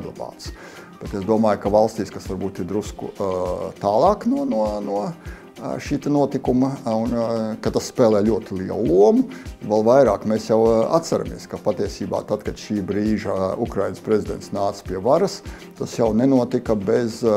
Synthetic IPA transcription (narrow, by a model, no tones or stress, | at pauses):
ɡlˠa̰bɑ̰ːt̪s | b̥et̪ezd̪uɔmaːjkavalˠst̪iːskasʋaɾbuːt̪iɾd̪ɾuskṵt̪ɑːlˠɑːknɔnuɔnuɔ | ʃiːt̪ɛnuɔt̪ikumɐunkat̪asspɛːlˠɛːlʲuɔt̪iliɛ̰lˠlˠuɔmuvɛlˠʋajɾaːkmesjawa̰t̪t̪sɛɾa̰mḭɛskapat̪iɛsiːba̰ːt̪ad̪kad̪ʃiːbɾiːʒɐukɾajnəspɾezʲid̪ɛnt̪snaːt̪spʲiɛvaɾɐs | t̪asjawnenuɔt̪ikɐbez